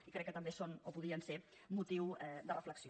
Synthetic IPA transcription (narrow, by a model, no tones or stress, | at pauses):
ikɾɛkːət̪əmbesonopuðɾiənse | mut̪iwɛd̪ərəfləksi